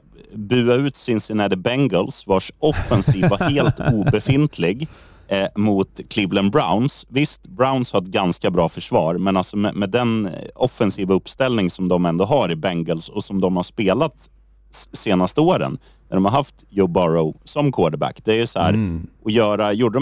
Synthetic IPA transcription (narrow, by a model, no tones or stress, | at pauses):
bʉ̟ːaʉ̟ːt̪sɪnsɪnɛd̪əbɛŋɡəlsvaʂɔfːɛnsiːvaheːlt̪uːbɛfɪnt̪ʰlɪɡ | mʊt̪kʰlɪvlənbɾa̰ʊnsvɪst̪bɾaʊnshat̪̚ɡanskabɾɑːfœʂvɑːɾmɛnalsɔmɛ̰mɛd̪ɛnɔfɛnsiːvaɵpːst̪ɛlnɪŋsɔmd̪ɔmɛnd̪oːɦaɾɪbɛŋɡəlsɔsɔmd̪ɔmhaʂpeːlat̪ | seːnast̪əoːɾə̰n | næɖɔmhaɾɦaft̪jobɑɾoʊsɔmkʰoːɖəbæ̰kːd̪̥ɛæjɵsɔhæ̰ːɾʔɔjœːɾajuːɖə